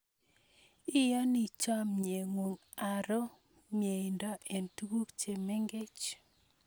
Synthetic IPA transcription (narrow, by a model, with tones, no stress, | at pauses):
ɪ˦ja˦ni˨t͡ʃa˦mɲe˨ŋwo˨ŋ | a˨ɾɔ˦ | mje˨ɪ˨ndɔ˦ʔɛ˨ntu˦ɡu˦kt͡ʃe˨me˦ŋɡe˦t͡ʃ